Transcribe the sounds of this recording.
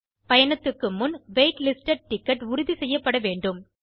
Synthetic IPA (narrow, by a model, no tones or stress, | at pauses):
pɐjɐɳɐt̪ːɯkːɯmːʊnʋeːʈlɪsʈɐɖ̚ʈɪkːɐʈʊɾʊðisɛjːɐpːɐɽɐʋeːɳɖɯm